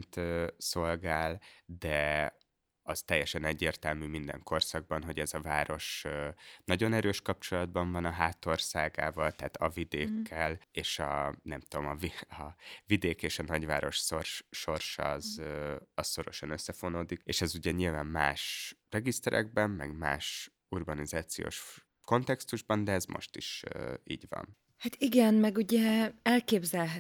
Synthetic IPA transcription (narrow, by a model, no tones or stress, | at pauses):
nt̪øso̞lɡaːld̪ɛ | ɒzt̪ɛjːɛʃɛnɛɟːeːrt̪ɛlmyːmind̪ɛ̰ŋko̞rsɒɡ̚bɒnɦo̞ɟɛzɒvaːɾo̞ʃ | nɒɟo̞nɛɾøːʃkɒp̚t͡ʃo̞lɒd̪̚bɒɱvɒnɒɦaːt̪o̞rsaːɡa̰ːvɒlt̪aːt̪ɒvid̪eːkʰːɛleːʃɒnɛmt̪uomɒviɒvid̪eːkeːʃɒnɒɟʋa̰ːɾo̞ʃsorʃʃo̞rʃɒzɒsso̞ɾo̞̰ʃɒnøsːɛfo̞noːd̪ikeːʃɛzuɟɛɲilvaːmːa̰ːʃrɛɡist̪ɛɾʔɛ̰ɡ̚bɛmːɛɡma̰ːʃ | urbɒnizaːt̪sijo̰ːʃ | ko̞nt̪ɛkst̪uʒbɒnd̪ɛɛzmʔo̞̰ʃt̪iʃḭːɟvɒ̰n | hat̪iɡɛnmɛɡuɟɛɛlkeːbzɛlɦɛ